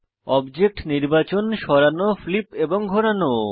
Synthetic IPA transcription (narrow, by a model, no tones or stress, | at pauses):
ɔbd͡ʑek̚ʈniɾbat͡ɕonʃɔɾanoflipeboŋɡʱoɾano